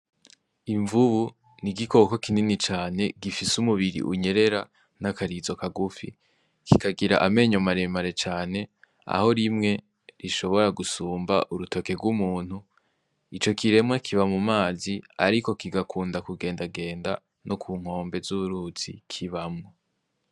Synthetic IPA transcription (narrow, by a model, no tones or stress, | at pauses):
iɱvuβu | niɡiko̞kokininit͡ʃaːne̞ɡifisumuβiɾḭʔṵɲe̞ɾe̞ɾa | nakaɾizo̞kaɡufḭ | kikaɡiɾa̰ʔame̞ɲomaɾe̞maɾe̞t͡ʃaːne̞ | a̰ho̞ɾimŋe̞ | ɾiʃo̞βo̞ɾaɡusuːmba̰ʔuɾuto̞ke̞ɡwumuːn̥hu | it͡ʃo̞kʰiɾe̞mŋakʰiβamumaːzia̰ɾiko̞kiɡakʰuːndakuɡe̞ːndaɡe̞ːnda | nʔokʰuːŋ̥o̞ːmbe̞zuβuɾut͡sḭkʰiβamŋo